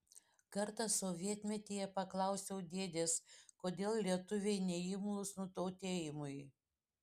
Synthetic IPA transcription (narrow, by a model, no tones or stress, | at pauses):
kɐɾt̪ɐsoːʋʲiɛt̪ʲmʲɛt̪ʲiːjɛpɐklˠɐʊsʲɛʊd̪ʲeːd̪ʲeːskoːd̪ʲeːlˠlʲiɛt̪ʊʋʲɛɪnʲɛɪmʊlˠʊsnʊt̪oʊt̪ʲeːjɪmʊj